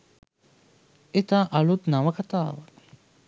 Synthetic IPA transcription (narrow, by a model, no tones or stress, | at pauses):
et̪aːʔalut̪naʋəkat̪aːʋa